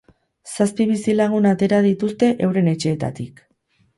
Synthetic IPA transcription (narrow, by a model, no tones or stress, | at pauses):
saspiβ̞isilaɣunat̪e̞ɾað̞it̪ust̪e̞ʔe̞wɾe̞ne̞t͡ʃe̞ːt̪a̰t̪ik